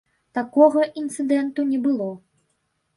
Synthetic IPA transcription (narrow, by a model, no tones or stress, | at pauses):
t̪akɔɣɐʔint̪sɨd̪ɛnt̪unʲɛbɨlˠɔ